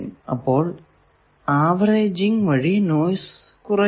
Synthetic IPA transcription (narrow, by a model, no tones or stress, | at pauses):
nɐ̰pːo̞ːɭ | aːʋreːd͡ʑiŋʋɐɻinoːjskurɐ